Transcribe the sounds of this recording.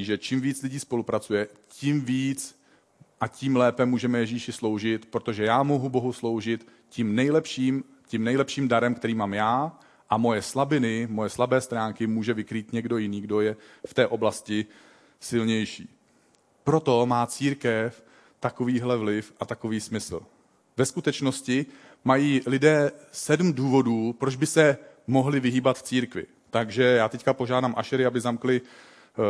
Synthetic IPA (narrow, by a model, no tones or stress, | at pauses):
ʒɛt͡ʃimviːt͡slɪɟiːspo̞lupɾat͡sujɛcimviːt͡s | ʔaciːmlɛːpɛmuːʒɛmɛjɛʒiːʃɪslo̞wʒɪt̪pɾot̪o̞ʒɛjaːmoɦubo̞ɦuslo̞wʒɪt̪ | cimnɛjlɛpʃiːm | cimnɛjlɛpʃiːmdaɾɛmkt̪ɛɾiːmaːmjaː | ʔamo̞jɛslabɪnɪmo̞jɛslabɛːst̪ɾaːŋkɪmuːʒɛvɪkɾiːt̪ɲɛɡdo̞jɪniːɡdo̞jɛft̪ɛːʔo̞blascɪ | sɪlɲɛjʃḭː | pɾo̞t̪o̞maːt͡siːɾkɛf | t̪ako̞viːɦlɛvlɪfʔat̪ako̞viːsmɪsl̩ | vɛskut̪ɛt͡ʃno̞scɪ | majiːlɪdɛːsɛdm̩duːvo̞duːpɾod͡ʒbɪsɛ | mo̞ɦlɪvɪɦiːbat̪ft͡siːɾkvɪ̰ | t̪aɡʒɛjaːt̪ɛckapoʒaːdamʔaʃɛɾɪabɪzamklɪ